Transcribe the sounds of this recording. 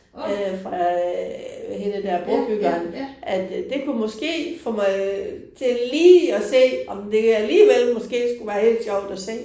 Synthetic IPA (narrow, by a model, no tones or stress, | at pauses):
øfʁɑ̈ | henəd̥æɐ̰b̥ɔb̥yɡ̥ɐːnʔæd̥d̥e̝kʰumɒ̽sɡ̥e̝̰ːfɔmɑɪt͡sʰe̝liːɒse̝̰ːʔɒ̽md̥e̝æliːʋelmɒ̽sɡ̥e̝̰ːsɡ̥uʋæːɐhe̝̰ːld̥ɕjɒʊ̰d̥ɒse̝̰ː